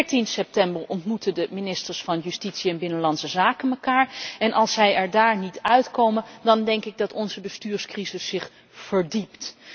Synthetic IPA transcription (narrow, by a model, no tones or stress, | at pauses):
ɹtinsɛp̚tɛmbəɹɔntmutədəminɪstəɹsfɑnjystitsiɛnbɪnəlɑnsəzaːkənməkaːɹɛnʔɑlˠsɛjɛɹdaːɹnitœɥtkowməndɑndɛŋkɪɡ̚dɑtɔnzəbəstyːɹskrizɪsːɪχ | fəɹdipt